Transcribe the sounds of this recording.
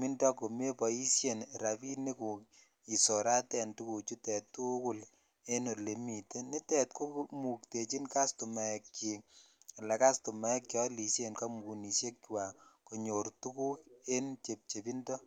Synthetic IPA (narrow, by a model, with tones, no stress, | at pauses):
mi˦ndɔ˦ko˨me˦pɔ˨i˦sje˨nɾa˨pi˦ni˦ku˨k | i˨sɔ˨ɾa˦tɛ˨ntu˦ku˨t͡ʃu˦tɛ˨tːu˦ku˦l | e˦no˨le˨mi˨te˦ni˦tɛ˨t̚ko˦mu˨k̚te˨t͡ʃi˦nka˦stu˨ma˨ɛ˨kt͡ʃi˨la˨ka˦stu˨ma˨ɛ˦kːɔ˦li˨sje˦nka˦mu˨ɡu˨ni˨sje˦k̚wa˨ko˨ɲo˨ɾtu˦ku˦e˦nt͡ʃe˨p̚t͡ʃe˨pi˦ndɔ˦